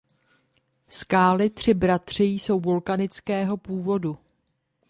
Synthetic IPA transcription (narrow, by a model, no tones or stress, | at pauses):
skaːlɪt̪r̝̥ɪbɾat̪r̝̥ɪjso̞wvo̞lkanɪt͡skɛːɦo̞puːvo̞du